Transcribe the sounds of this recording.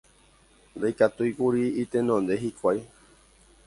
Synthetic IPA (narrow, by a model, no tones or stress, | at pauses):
nd̪ajkat̪ujkuɾiit̪enõnd̪eɦikʷaj